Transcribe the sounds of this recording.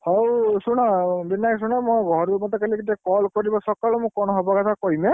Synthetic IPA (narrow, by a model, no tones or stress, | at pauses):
howsunabinːaksunamɔjɡʱɔɾumɔt̪ɔkalikitiakɔlkoɹibɔsɔkalɔmʊ̃kɔnɔɦɔbɔkatʰakoimɛ